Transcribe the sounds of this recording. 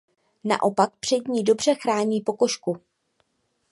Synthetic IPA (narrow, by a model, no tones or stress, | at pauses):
na̰ʔo̞pak̚pr̝̥ɛdɲiːdo̞br̝ɛxɾaːɲiːpo̞ko̞ʃku